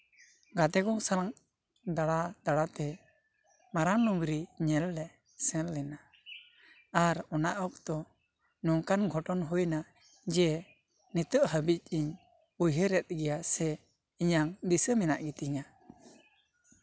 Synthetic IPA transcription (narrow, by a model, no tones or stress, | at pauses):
ɡat̪ɛɡɔŋsalaŋ | d̪aɽad̪aɽat̪ɛ | maɾaŋnuŋɾiɲɛlːɛ | sɛ̃lːɛna | aɾɔnaʔɔk̚t̪ɔ | nɔŋkanɡʱɔʈɔnɦujna | d͡ʒɛ | nit̪əʔɦəbic̚iɲ | ujɦəɾɛt̪̚ɡɛjasɛ | iɲaŋd̪isəmɛnaʔɡit̪iɲa